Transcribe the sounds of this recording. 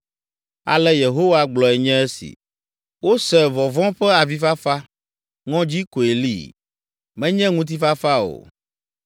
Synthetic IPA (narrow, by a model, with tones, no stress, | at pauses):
a̰˨lɛ˦je˨ɦo˦wa˦ɡ͡blɔ˨ɛ˨ɲɛ̃˦ɛ˦sḭ˨ | wo˦sɛ˨vɔ˨vɔ̃˦ɸɛ˦a˨vi˦fa˦fa˦ | ŋɔ̃˦d͡ʑi˦ko˨e˨lḭ˦˨ | mɛ̃˦ɲɛ̃˦ŋũ˦t̪̬i˦fa˦fa˦o̰˨